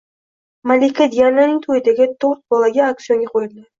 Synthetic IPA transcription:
malikʲːad̪ijananɪŋʲt̪ʰojɪd̪aɡʲɪt̪ʰoɾt̪̚bɒlaɡʲaak̚tsijoŋɡʲaqʰojɪld̪ɪ

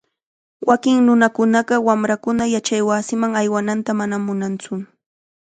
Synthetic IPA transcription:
wʔakɪŋnʊnakʊnɑɢɑwamɾakʊnajat͡ʃajwaːsɪmaŋajwanant̪amanamʊnant͡sʊ

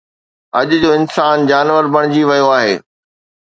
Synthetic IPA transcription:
ɐʄʊd͡ʑoːɪnsaːnd͡ʑaːnʋəɾbɐɽ̃ɪd͡ʑiʋɐjoaːɦeː

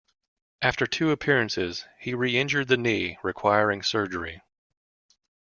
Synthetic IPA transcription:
ʔæftə˞tʰʉəpʰɪɹɨ̃nsɪz̥hiɹiɪ̃nd͡ʒə˞d̪̚ðɨniɹɨkʰw̥aɪə˞ɪ̃ŋsɜ˞d͡ʒə˞ḭ

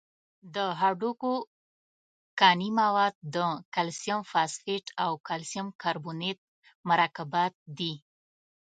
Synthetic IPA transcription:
d̪əɦaɖuko | kɑnimawɑd̪̚d̪əkalsjamfɑsfeʈʰawkalsjamkaɾbunet̪̚ | maɾɑkabɑt̪̚d̪i

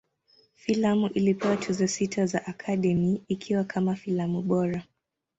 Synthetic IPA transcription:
filamuʔilipɛwatʰuzɔsitʰazaʔakʰaɗɛmiːkʰiwakʰamafilamuɓɔɾa

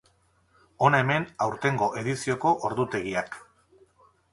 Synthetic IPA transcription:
o̞naeme̞nawɾt̪e̞ŋɡo̞ʔe̞ðisio̞ko̞ʔoɾðut̪e̞ɣiak

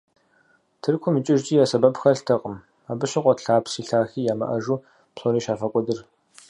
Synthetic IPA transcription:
tʰɨrkʷʰʊmɨt͡ʃʼɪʒtʼiːjaːsɐbɐpxɐɬtʰɐqʼəm | aːbɨɕɪqʷʼɔtɬaːpʰsiːɬaːxiːjaːmɐ̰ʔɐʒuː | pʰɬoniːʃaːfɐkʷʼɔdɨr

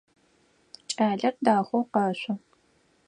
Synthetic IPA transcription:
t͡ʃʼaːɮɐrdaːxʷowqɐɕʷʼʊ

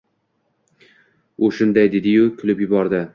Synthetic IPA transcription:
ʊʃʊnd̪ajd̪e̞d̪ɪjʊkʲʰʊlɪpjʊbɒɾd̪ɪ

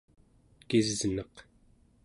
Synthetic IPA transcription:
kizznʌq

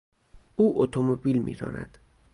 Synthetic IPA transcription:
uːʔot̪ʰomobilmḭːɾɒ̰ːnæ̰d̪̥

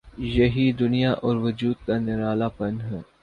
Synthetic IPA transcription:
jɐɦid̪ʊnijaʔɔːɾʋɐd͡ʒuːd̪̚kanɪɾaːlapɐnɦɛː

